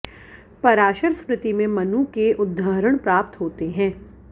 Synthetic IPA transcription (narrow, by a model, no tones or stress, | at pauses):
pɐɾaːʃəɾspɾɪt̪imẽmɐnũkeʔʊd̪ʱːaːɾəɽ̃pɾaːp̚t̪ɦoːt̪eɦɛ̃ː